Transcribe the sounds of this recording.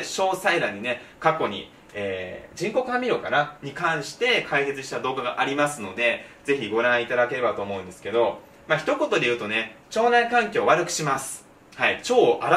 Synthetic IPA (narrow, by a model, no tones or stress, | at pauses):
ɕo̞ːsaiɾaɲ̟ːine̞kako̞ɲ̟ḭ | eːd͡ʑĩŋko̞kɯamʲiɾo̞ka̰naɲ̟ikãɰ̃ɕi̥t̪e̞kʰaiɦe̞t͡sɨɕi̥t̪ad̪o̞ːɡaɡaʔaɾʲimasɨno̞d̪e̞ze̞çiɡo̞ɾãɰ̃it̪ad̪ake̞ɾe̞bat̪o̞ːmo̞ɯ̃nd̪e̞sɨ̥ke̞d̪o̞ | maçi̥t̪o̞ko̞t̪o̞d̪e̞jɯ̟ːt̪o̞ne̞t͡ɕo̞ːnaikãŋkʲo̞ːβaɾɯ̟kɯ̟̥ɕimasɨ̥ | hait͡ɕo̞ːʔaɾ